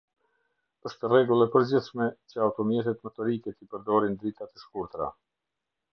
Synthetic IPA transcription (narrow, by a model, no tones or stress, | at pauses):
əʃt̪ɛrɛɡulˠɛpəɾd͡ʑiθʃmɛt͡ɕəawt̪ɔmjɛt̪̬ɛt̪mɛt̪ɔɾikɛt̪ipəɾd̪ɔɾind̪ɾit̪at̪ɛʃkuɾt̪ɾa̰